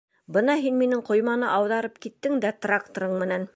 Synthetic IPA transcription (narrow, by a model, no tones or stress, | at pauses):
bɤnɑɦinminɘŋqŏjmɑnɤʔɑwðɑɾɤp̚kit̪ːɘŋd̪æt̪rak̚t̪oɾɤɴmɘ̆næn